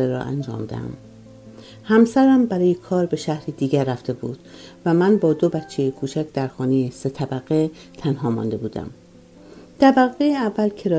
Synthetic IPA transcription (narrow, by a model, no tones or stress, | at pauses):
eɾɒ̰ʔæ̰nd͡ʒɒ̰ːmd̪æ̰æ̰m | hæmsæɾæmbæɾɒːjekʰɒːɾbe̞ʃæhɾid̪iːɟæɾːæft̪e̞buːd̪̥væmænbɒːd̪obætt͡ʃʰːejekʰuːt͡ʃʰæcʰd̪̥æɾxɒːnejese̞t̪ʰæbæɣe | t̪ʰænhɒːmɒ̰ːnd̪e̞buːd̪æ̰m | t̪ʰæbæɣejeævːælcʰeɾɒː